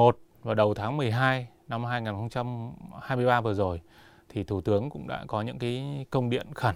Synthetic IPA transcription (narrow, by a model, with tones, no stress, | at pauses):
mo˨˩t̚ | vaː˨˩ɗə˨˩wt̪ʰaː˨˦ŋmɨ˨˩əjɦaː˧j | na˧mɦaː˧jŋaː˨˩nxə˧wŋ͡mt͡ɕa˧mhaː˧jmɨ˧əjɓaː˧vəː˨˩zo˨˩j | t̪ʰi˨˩t̪ʰu˧˩t̪ɨ˨˦əŋkʊ̰˧˥ŋ͡mɗa̰ː˧˥kɔ˨˦ɲɨ̰˧˥ŋkaː˨˦jkə˧wŋ͡mɗḭ˧˨ənxə˧˩n